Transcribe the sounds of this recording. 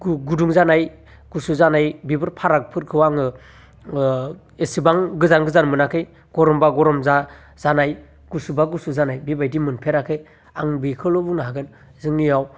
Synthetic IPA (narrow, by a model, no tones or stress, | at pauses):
ɡɡuduŋzanaj | ɡ̥usuzanajbibɯɾpʰaɾak̚pʰɯɾkʰɯwaŋɯ | esibaŋɡɯzaŋɡɯzanmɯnakʰɯj | ɡ̥ɔɾɔmbaɡɔɾɔmza | zanaj | ɡ̥usubaɡusuzanajbibajdimɯnpʰeɾakʰej | aŋbikʰɯlɔbuŋnaɦaɡɯn | zɯŋnijaw